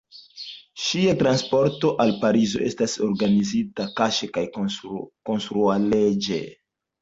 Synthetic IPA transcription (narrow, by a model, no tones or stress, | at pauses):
ʃiatɾanspo̞ɾto̞ʔalpaɾizo̞ʔe̞staso̞ɾɡanizitakaʃekaj | ko̞nstɾualed͡ʒḛ